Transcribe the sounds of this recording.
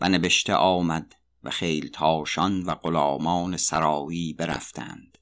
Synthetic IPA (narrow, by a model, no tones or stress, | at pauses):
vænebeʃt̪ʰḛʔɒːmæd̪ | væ̰xejlt̪ʰɒːʃɒnvæɢolɒːmɒːnesæɾɒːjiːbe̞ɾæ̰ft̪ʰæ̰nd̪̥